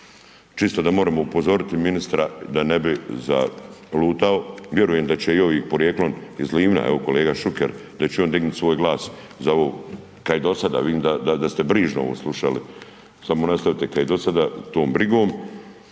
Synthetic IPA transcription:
t͡ʃist̪od̪amo̞ːɾamoupo̞zo̞ɾit̪iminist̪ɾad̪anebiza̰luːt̪ao̞ʋʲje̞ɾuje̞md̪at͡ɕeioʋiːpo̞ɾjeklonizliːʋna̰ḛo̞ko̞leːɡaʃukḛɾd̪at͡ɕeo̞nd̪iɡnut̪ʲsʋo̞ːjɡlˠaːs | zaoʋoː | kaid̪o̞sad̪a̰ːʋid̪iːmd̪ad̪ad̪ast̪ebɾiːʒnoo̞̰oːslˠuʃalḭ | samonast̪aʋit̪ekaid̪o̞sad̪aːt̪o̞ːmbɾiɡo̞ːm

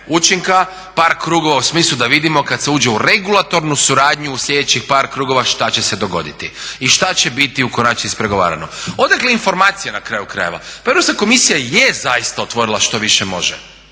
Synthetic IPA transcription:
ut͡ʃiŋka | paːɾkɾuːɡo̞ʋausmiːslˠud̪aʋid̪imo̞kad̪seuːd͡ʒe̞uɾe̞ɡulˠat̪o̞ɾnusuɾaːd̪ɲuːslʲʎe̞d̪e̞t͡ɕixpaːɾkɾuːɡo̞ʋaʃt̪at͡ɕe̞se̞d̪o̞ɡo̞̰d̪it̪iiʃt̪at͡ɕe̞bit̪iukonaːt͡ʃiispɾe̞ɡo̞ʋa̰ːɾa̰no̰o̞d̪akleinfo̞ɾmaːt̪sijenakɾaːjukɾa̰je̞ʋa̰paeɾosako̞misijajezajist̪ao̞t̪ʋo̞ɾilˠaʃt̪o̞ʋiʃe̞mo̞̰ʒe

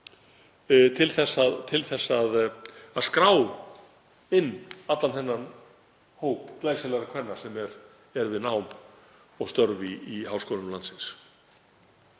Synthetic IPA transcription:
t̪ʰɪlθɛsat̪ʰɪlθɛsːaðaðskɾaːw | ɪnːat̪lanθɛnːan | hoːwpk̪laːjsɛlaɾakʰvɛnːḁsɛmɛɾ | ɛɾvɪðnaːwm | ɔɣst̪œɾviːɦaːwskɔːlnʏmlant̪sɪns

